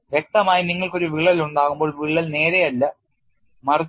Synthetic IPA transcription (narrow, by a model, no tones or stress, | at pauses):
ʋe̞k̚t̪ɐmaːjiniŋːɐɭko̞ɾuʋiɭːɐluɳɖaːɣumbo̞ːɭʋiɭːɐlne̞ːɾejɐlːɐ | mɐr